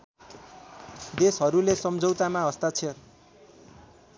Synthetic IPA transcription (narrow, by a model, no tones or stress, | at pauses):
d̪esɦʌɾulesʌmd͡zʱowt̪amaɦʌst̪at͡sʰʌ